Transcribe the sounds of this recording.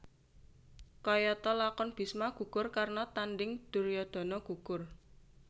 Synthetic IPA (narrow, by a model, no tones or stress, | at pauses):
kɔjɔt̪ɔlakɔnb̥i̤smaɡ̥ṳkʊrkarnɔt̪anɖɪŋd̪̥uɾjɔd̪̥ɔ̤nɔɡ̥ṳkʊr